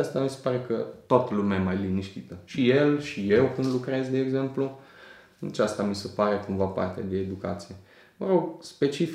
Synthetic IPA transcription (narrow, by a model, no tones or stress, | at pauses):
ast̪amise̥paɾe̞kət̪ot̪əlumeajemajliniʃt̪it̪əʃije̞lʃijewkɨnd̪lukɾe̞zd̪e̞ːɡze̞mplu | at͡ʃast̪amise̞paɾe̞kuɱvapa̰rt̪ea̰d̪e̞ːd̪uka̰t̪sije̞ | vəɾo̞ɡspe̞t͡ʃif